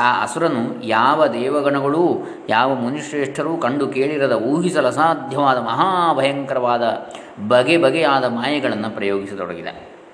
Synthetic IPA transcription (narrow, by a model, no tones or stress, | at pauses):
aːʔɐ̰suɾɐnːujaːʋɐd̪ɛːʋɐɡɐɳɐɡɐɭuː | jaːʋɐmuniʂɾeːʂʈʰɐɾuːkɐɳɖukeːɭiɾɐd̪ɐuːɦisɐlɐsaːd̪ʱjɐʋaːd̪ɐmɐɦaːʋɐjɐŋkɐɾɐʋaːd̪ɐ | bɐɡebɐɡɛjaːd̪ɐmaːjɐɡɐɭɐnːɐpɾɐjoːɡisɐt̪ɔ̰ɽɐ̰ɡid̪a̰ːɾ